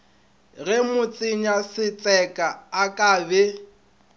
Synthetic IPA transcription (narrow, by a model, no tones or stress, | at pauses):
ɣɛmʊt͡sʼɪɲasɪt͡sʼɛkʼaakʼaːbɛ